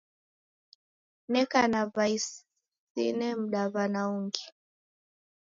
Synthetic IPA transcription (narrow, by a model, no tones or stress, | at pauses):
nɛkanaβais | ḭnɛm̩ɗaβanauŋɡi